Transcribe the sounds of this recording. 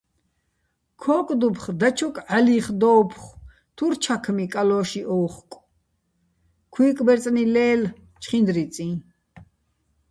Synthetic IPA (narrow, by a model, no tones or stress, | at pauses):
kʰɔːkʼd̪upʰχd̪at͡ʃʰɔkʼaliχd̪ɔːpʰχ | t̪ʰuɾt͡ʃʰakʰmikʼalɔːʃiʔɔːχkʼ | kʰwiːkʼbɛɾt͡s̪ʼnilɛːl | t͡ʃʰχind̪ɾit͡sʼĩː